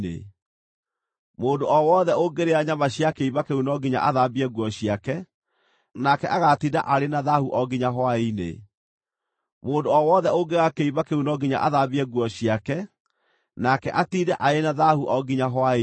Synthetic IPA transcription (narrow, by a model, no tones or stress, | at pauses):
ḛ | moːndoɔwɔðɛoɡeɾeaɲamaɕiakeiβakeunɔɡiɲa̰ʔaðabɛɡwɔɕiakɛ | nakɛʔaɣatida̰ʔaɾenaðahuʔɔɡiɲaɦwainḛ | moːndoɔwɔðɛoɡeɣakeiβakeunɔɡiɲa̰ʔaðabiɛɣwɔɕiakɛ | nakɛʔatidɛʔaenaðahuʔɔɡiɲaɦwa